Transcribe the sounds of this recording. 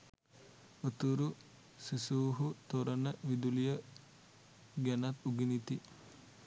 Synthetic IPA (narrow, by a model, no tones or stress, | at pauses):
ot̪uɾu | sisuːɦut̪oɾənəʋid̪ulijə | ɡɛnat̪uɡinit̪i